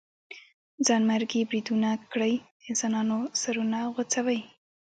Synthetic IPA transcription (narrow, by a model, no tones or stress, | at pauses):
d͡zɑnmaɾɡibɾid̪unakɽəj | ɪnsɑnɑnosaɾunaɣʊt͡sawəj